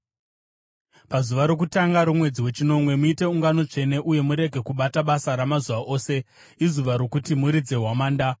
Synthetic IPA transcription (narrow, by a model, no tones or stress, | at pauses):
pazuʋaɾo̞k̬utaŋɡaɾumwe̞d͡ziwe̞t͡ʃino̞mwe̞muite̞uŋɡano̞t͡ʂe̞ne̞ʔuje̞muɾe̞ɡʱe̞kuɓataɓasaɾamazuʋaʔo̞ːse̞ | izuʋaɾo̞kutimuɾid͡ze̞ɦwamaːnda